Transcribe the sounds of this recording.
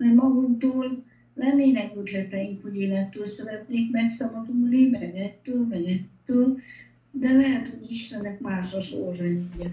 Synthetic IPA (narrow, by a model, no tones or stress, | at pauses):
mɛmɒɡuŋt̪oːl | lɛmːeːnɛɡød̪lɛt̪ɛjiŋkhoɟeːlɛnt̪ːøːlsɛvɛt̪neːkmɛksɒbɒd̪ulimɛɡɛt̪ːøːlmɛɡɛt̪ːøːl | d̪ɛlɛɦɛt̪ho̞ɟiʃt̪ɛnːɛkmaːʃɒʃo̰rzɛɲujɛ